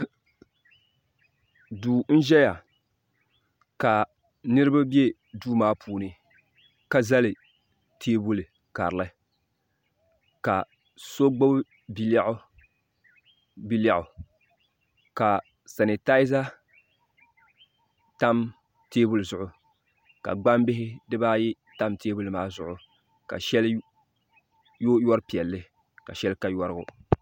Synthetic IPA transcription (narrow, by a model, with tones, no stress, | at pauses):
duː˨n̩˦ʒɛ˦ja˨ | ka˨ | nɨ˦ɾɨ˦ba˦be˦ | duː˦maː˦pʰuː˨nɨ˨ | ka˦za˦lɪ˨ | tʰeː˦bʊ˦lɨ˨ | ka̰˨ɾɨ˨lɨ˦ | ka˨ | so˦ɡ͡bo˦b | bi˦lɛ˦ʔʊ˦ | bi˦la˦ʔʊ˨ | ka˨ | sa˨ni˨ta˦ɪ˦za˦ | ta˦m | teː˦bu˦lzʊ˦ʔʊ˨ | ka̰˨ɡ͡ba˦mbɪ˦ɦɪ˦dɨ˦ba˦jɪ˦ | ta˦mteː˦bu˦lɨ˨maː˦zʊ˦ʔʊ˨ | ka̰˨ʃɛ˦l | jo˦jɔ˦ɾpi˨ɛ˨lːɨɪ˦ | ka˨ʃɛ˦lka˦jɔ˦ɾɨ˦ɡʊ˦